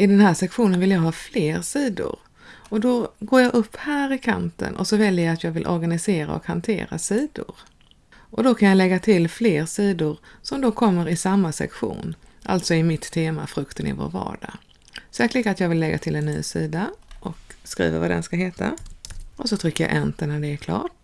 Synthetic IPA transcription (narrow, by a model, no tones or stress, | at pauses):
ɪd̪ɛnhæːʂɛkɧuːnənvɪljɑːɡɦɑːfleːɾsiːd̪ʊ̰ɾ | ɔd̪ɔɡoːɾjɑɡʔɵpːhæːɾɪkʰa̰nt̪ə̰nʔɔ̰sɔvɛljəjaat̪jɑːɡvɪlʔɔɾɡanɪseːɾa̰ɔ̰khant̪ʰḛːɾa̰siːd̪ʊɾ | ʔɔd̪ɔkʰanjalɛɡːat̪ʰɪlfleːɾsiːd̪ʊɾsɔmd̪ɔkʰɔmːəɾɪsamːasɛ̰kɧṵːnʔa̰lt̪sɔɪmɪt̪ʰːeːmafɾɵkt̪ənɪ̰vo̰ːɾvɑ̰ːɖa | sɛːklɪɡ̪at̪jɑːɡvɪlːɛɡːat̪ʰɪlɛnːy̰ːsḭːd̪aʔɔkskɾḭːvəvad̪ɛ̰nskaɦeːt̪ʰa̰ʔɔsɔt̪ʰɾʏkːəja̰ʔɛnt̪ənæɖɛːɾkʰlɑ̰ːʈ̚